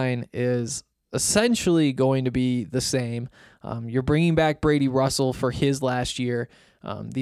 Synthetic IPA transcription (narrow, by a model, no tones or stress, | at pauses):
ɪ̃nɪz | ɨsɛ̃nʃl̩ˠiɡoʊɪ̃ŋtɨbiðɨsẽɪ̃m | jə˞bɹɪ̃ŋɪ̃ŋbæk̚b̥ɹeɪɾiɹʌsl̩ˠfə˞ɪzlæst̚jɪɹ | ði